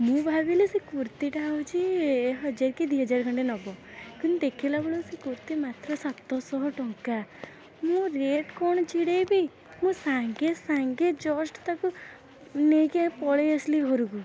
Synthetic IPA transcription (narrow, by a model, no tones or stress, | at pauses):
mũbʱabilesekuɾt̪iʈaut͡ʃʰiɦɔd͡ʒaɾkid̪iɦɔd͡ʒaɾkʰɔɳɖenɔbɔkunid̪ekʰilabeɭosekuɾt̪imat̪ɾɔsat̪ːɔsɔɦɔʈɔŋka | mũɾeʈkɔɳ̃ɔt͡ʃiɽebi | mũsaŋɡesaŋɡed͡ʒɔsʈt̪aku | neɡepɔɭeəsliɦoɾuɡu